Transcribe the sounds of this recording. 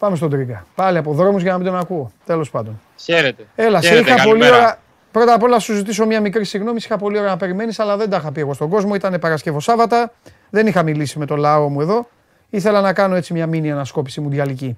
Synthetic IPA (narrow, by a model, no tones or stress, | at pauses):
pɐme̞st̪o̞d̪ɾikɐpɐliɐpoðɾo̞muzʝɐnɐmind̪o̞nɐkuot̪e̞lo̞spɐnd̪o̞n | eɾet̪eelɐsixɐpo̞lioɾɐ | pɾo̞t̪ɐp̬o̞lɐɐsuzit̪̬iso̞mɲɐmikɾisiɣno̞misixɐpo̞lio̞ɾɐnɐpe̞ɾime̞nisɐlɐðe̞nd̪ɐixɐpie̞ɣo̞st̪oɡo̞zmo̞it̪ɐne̞pɐɾɐsce̞vo̞sɐvɐt̪ɐ | ðe̞nixɐmilisime̞t̪o̞lɐo̞mue̞ðo̞ | iθe̞lɐnɐkɐno̞e̞t͡simɲɐminiɐnɐsko̞pi̥simuðʝɐlici